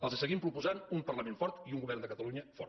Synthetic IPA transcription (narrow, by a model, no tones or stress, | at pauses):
əlˠzəsəɣimpɾupuzanumpərləmenfɔɾt̪iuŋɡuβɛrnd̪əkət̪əluɲəfɔ̰ɾ